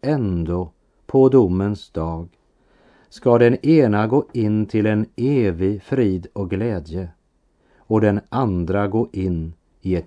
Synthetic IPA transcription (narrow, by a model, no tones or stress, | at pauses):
ɛnd̪o | pʰɔd̪ʊmːənsd̪ɑːɡ | skad̪ɛneːnaɡoːɪnːt̪ʰɪlɛneːvɪɡfɾiːd̪ɔk̚ɡlɛːd̪jə | ɔd̪ɛnʔand̪ɾaɡoːʔɪnː | ɪɛt̪